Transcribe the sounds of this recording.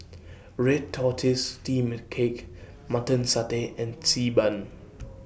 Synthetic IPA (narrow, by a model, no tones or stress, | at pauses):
ɹɛd̚tʰːɔtʰistiːmɪdkʰek | matə̃nsateɛ̃nsiːbãn